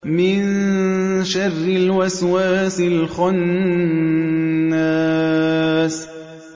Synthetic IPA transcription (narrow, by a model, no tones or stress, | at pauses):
mɪn | ʃarːɪlwaswaːsɪlxʊn | aː | s